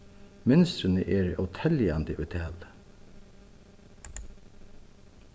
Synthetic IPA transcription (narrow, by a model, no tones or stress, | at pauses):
mʏnst̪ɾənəʔeːɹœ̰t̪ʰɛljand̪əʔʊt̪ʰɛːl